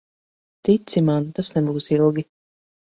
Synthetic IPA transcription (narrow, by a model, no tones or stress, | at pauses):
t̪it̪simant̪asnɛbuːsilˠɡʲi